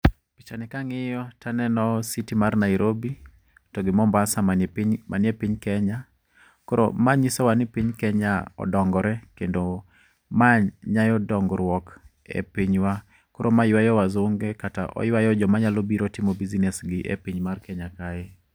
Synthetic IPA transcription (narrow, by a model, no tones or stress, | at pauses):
pi̥t͡ʃanɛkaŋɪjɔtʰanɛnɔsitimarnaiɾʔobi | tɔɡɪmɔmbasamaɲmanjepiɲkɛɲa | koɾo̰maɲisɔwanɪpiɲkɛɲaɔ̰dɔŋɡɔɾɛkendo | maɲajɔdɔŋɡɾwɔk | ḛpiɲwa | koɾʔomajwajɔwazoŋɡekata̰ʔɔ̰jwajɔd͡ʒɔmaɲalɔbiɾotimɔbizinɛsɡɪʔḛpiɲmarkɛɲakajɛ